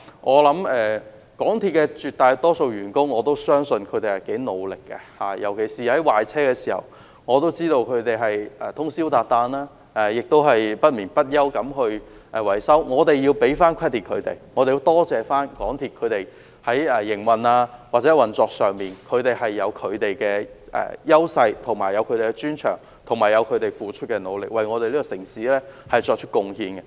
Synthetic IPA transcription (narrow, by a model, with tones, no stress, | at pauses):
ŋʔɔː˨˧lɐ˨˥mɛː˧ | kɔː˨˥ŋt̪ʰiː˧t̚kɛː˧t͡ʃyː˨t̚t̪aː˨˧jt̪ɔː˥so˧wjyː˨˩nkʊ˥ŋːɔː˨˧t̪o˥wsœː˥ŋsɵ˧nkʰɵ˨˧ɥt̪e˨jhɐ˨˩jke˨˥jno˨˧wlɪ˨kːɛ̰˧ha̰ː˨jɐ˨˩wkʰe˨˩jsiː˨hɐ˨˥jwaː˨jt͡sʰɛː˥kɛː˧si̥ː˨˩hɐ̰˨˩w | ŋɔː˨˧t̪o˥wt͡siː˥t̪o˧wkʰɵ˨˧t̪e˨jɦɐ˨jʔɛː˨˩t̪ʰʊ˥ŋsiː˥wt̪aː˨˧t̚t̪aː˧naː˥ | ʔɛ˨jɪ˨k̚t̪o˥wɦɐ˨jpɐ˥t̚miː˨˩npɐ˥t̚jɐ˥wkɐ˨˧˥mɦɵ˧ɥʔɛ˨˩wɐ˨˩jsɐ˥wŋɔː˨˧t̪e˨jiː˧wpe˨˥jfaː˥nkʰɛ˥t̪ʰiː˨t̚kʰɵ˨˧t̪ḛ˨jŋɔː˨˧t̪e˨ji˧wt̪ɔː˥t͡sɛː˨˧faː˥nkɔː˨˥ŋt̪ʰiː˨t̚kʰɵ˨˧ɥt̪e˨˩j | hɐ˨˥jɛ˨jɪ˨˩ŋwɐ˨naː˧waː˨t̚t͡sɛ˨˥wɐ˨nt͡sɔː˧k̚sœː˨˩ŋmiː˨nkʰɵ˨˧ɥt̪e˨jɦɐ˨jːɐ˨˧wkʰɵ˨˧ɥt̪e˨jkɛː˧ʔɛ̰ː˨˩jɐ˥wsɐ˧jt̪ʰʊ˨˩ŋmaː˨˩jɐ˨˧wkʰɵ˧te˨˩kɛ˧t͡ʃyː˥nt͡ʃʰœ̰ː˨˩ŋ | t̪ʰʊ˨˩ŋmaː˨˩jɐ˨˧wkʰɵ˨˧t̪e˨jfuː˨t͡ʃʰɵ˥t̚kɛ˧no˨˧wlɪ˨k̚wɐ˨jŋɔː˨˧t̪e˨li˥kɔ˧sɪ˨˩ŋsiː˨˥lɛː˥hɐ˨jt͡ʃɔː˧k̚t͡ʃʰɵ˥kʊ˨˧ŋhiː˧nkɛ˧